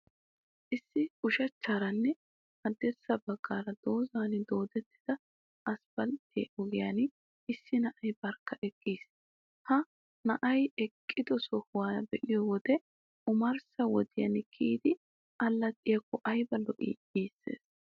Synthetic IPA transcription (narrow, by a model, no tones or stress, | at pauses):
ʔɪsːɪʊʃɐt͡ʃːaːɾɐnːɛ | hɐd̪ːɛɾsɐbɐɡ̥ːaːɾɐd̪̥o̞ːzaːnd̪o̞ːd̪ɛt̪ːɪd̪̥ɐ | ʔɐspɐlt̪ːɪ̰ʔɔɡɪjan | ɪsːɪnɐʔɐjbɐɾkːɐʔɛkʼːiːs | hɐ | nɐʔɐjɛkʼːɪd̪ɔsɔhʊwaːbɛʔɪjɔwɔd̪ɛ | ʊmɐɾsɐwɔd̪ɪjɐ̰nkʰiːd̪ɪ | ɐlːɐt̪ʼɪjɐkːɔʔɐjbɐlːɔʔḭːʔiːsːḛːs